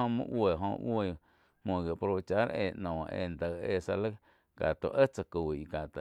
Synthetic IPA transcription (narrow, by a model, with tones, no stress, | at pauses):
õ˧mɨ̰̃˦˧ʔwʷe˨ɦõ˧e˧˨˧ | mõ˨ɡi˨po˧ɾo˧˨t͡ʃa˧˦ɾeː˧˨ʔnɔ̃ː˨˧ʔḛ˧˨nd̪ə˨e˧˨sa˧lə˦ | ka̰˨t̪o̰˨ʔə˦t͡sa˧kuː˨i˨ka˨t̪a˨